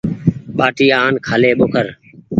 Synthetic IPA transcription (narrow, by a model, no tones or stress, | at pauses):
ɓaːʈiːaːnkʰaːleːɓoːkʰəɾ